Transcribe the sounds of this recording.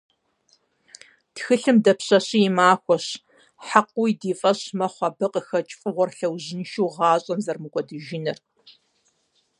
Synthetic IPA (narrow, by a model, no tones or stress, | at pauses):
txɨɬɨmdɐpʰɕɐɕijɪmaːxʷɔɕ | ħaqʷwjdiːfʼɐɕmɐχʷɑbɨqəxɐt͡ʃʼfʼɨʁʷɔrɬɐwʑɪnʃuːʁɑːɕʼɐmzɐrmɨɡʷʼɔdɨʒɪnɐr